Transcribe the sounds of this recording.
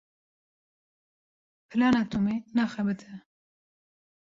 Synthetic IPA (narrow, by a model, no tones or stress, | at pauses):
pʰɨlɑːnɑːt̪ʰumenɑːxɛbɨt̪ʰɨ